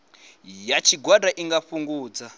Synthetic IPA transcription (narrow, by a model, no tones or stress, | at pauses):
jat͡ʃʰiɡwadaʔiŋɡaɸuŋɡuːd͡za